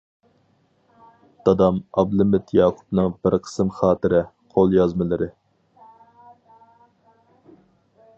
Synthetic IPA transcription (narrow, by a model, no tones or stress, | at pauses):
d̪̥ɑd̪ɑmɑblˠɨmɪt̪ʰjɑːqʰu̥pnɨŋbɪɾqʰə̥sɨmχɑːt̪ɨɾɪ | qʰolˠjɑzmɨlˠɨɾʔɪ